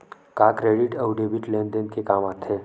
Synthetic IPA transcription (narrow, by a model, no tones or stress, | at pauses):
kaːkɾeːɖɪʈɐwɖebiʈlẽːnd̪enkekaːmaːt̪ʰeː